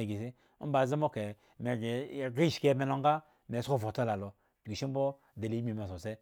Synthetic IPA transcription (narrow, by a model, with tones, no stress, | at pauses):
e˨ɡi˨s̬i˦ | ba˨ze˦mo˦ke˨ | me˨ɡe˨ɡi˦˨ʃke˦˨me˧no˨ŋɡa˦ | me˨so˦˨vo˨ta˦la˨lo˨ | tɡi˨ʃi˦m̩˦bo˦ | de˨li˨˦m˦i˨ma˨s̬o˨se˦